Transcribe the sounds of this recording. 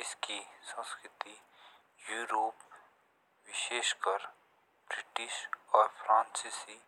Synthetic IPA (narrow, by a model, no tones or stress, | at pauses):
ɪskisə̃nskɾɪt̪i | juːɾoːp | ʋɪʃeːʃkəɾ | bɾɪʈɪʃɔːɾpʰɾãːnsisi